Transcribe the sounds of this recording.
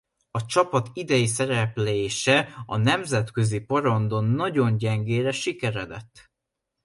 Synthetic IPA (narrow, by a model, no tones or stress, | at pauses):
ɒt͡ʃɒpɒt̪id̪ɛjis̬ɛɾɛpleːʃɛɒnɛmzɛt̪kø̞zipoɾond̪o̞nːɒɟo̞nɟɛŋɡeːɾɛʃikɛɾɛd̪ɛ̰t̪ː